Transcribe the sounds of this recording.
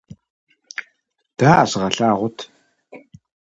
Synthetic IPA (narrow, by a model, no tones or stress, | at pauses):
d̥aːʔasʁɐɬaːʁʷʊtʰ